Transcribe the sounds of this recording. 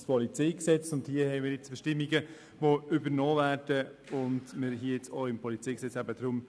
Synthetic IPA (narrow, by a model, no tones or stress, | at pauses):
spʰɔlit͡sɛɪksɛt͡sʊndhiəhɛɪmiːɾjɛt͡sb̥ʃtɪmːiɡə | ʋoʏbəɾnoːvæːɾd̥əʊndməɾɦiəjɛt͡soɪmpʰɔlit͡sijksɛt͡sæbəd̪ɾʊm